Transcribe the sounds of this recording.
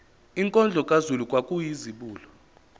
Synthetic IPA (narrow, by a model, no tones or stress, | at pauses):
iŋkʼɔnd͡ɮʱɔkʼazulukʼwakʼujiziɓuːlɔ